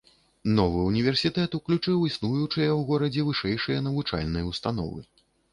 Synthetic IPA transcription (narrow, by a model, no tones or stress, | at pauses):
nɔvɨunʲivʲɛrsʲit̪ɛt̪uklʲut͡ʂɨwisnujut͡ʂɨjɐwɣɔɾɐd͡zʲɛvɨʂɛjʂɨjɐn̪ɐvut͡ʂa̰lʲnɐjɐwst̪anɔ̰vɨ̰